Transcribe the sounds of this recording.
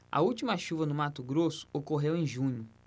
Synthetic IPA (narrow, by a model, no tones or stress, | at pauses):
ɐ̰uwt͡ʃimɐʃuvɐnʊmat̪ʊɡɾosʊ̥okoɦewẽj̃ʒũɲʊ